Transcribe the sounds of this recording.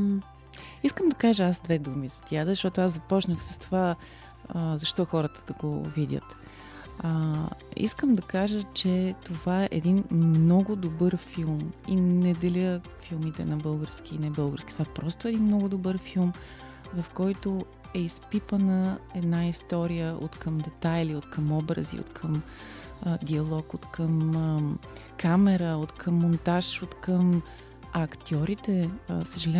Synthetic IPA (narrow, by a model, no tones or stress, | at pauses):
iskəmd̪ɐkaʒəazd̪vɛd̪umizɐ̥t̪ʲiad̪əzɐʃt̪ɔt̪ʊazzɐpɔt͡ʃnəxsə̥st̪ova | əzɐʃt̪ɔxɔɾət̪ə̥d̪̥ɐɡo̰vid̪ʲə̰t̪ | ḭskəmd̪ɐkaʒət͡ʃɛt̪ovaɛʔɛd̪inmmnɔɡʊd̪obɤɾfilˠminɛd̪ɛlʲə | filˠmit̪ɛ̰nɐbɤlˠɡəɾsk̟ʲiːnɛbɤlˠɡəɾsk̟ʲi̥t̪ovaɛpɾɔst̪ʊɛd̪inmnɔɡʊd̪obəɾfilˠm | vɐfkɔjt̪o | ɛispipənəɛd̪naist̪ɔɾijəʔo̰t̪kəmd̪ɛt̪ajiliot̪kəmɔbɾə̰zḭo̰t̪kʰəm | d̪iɐlˠɔkot̪kəm | kamɛɾəot̪kʰəmːont̪aʃot̪kəm | ɐkt̪ʲɔɾit̪ɛsəʒɐlʲɛ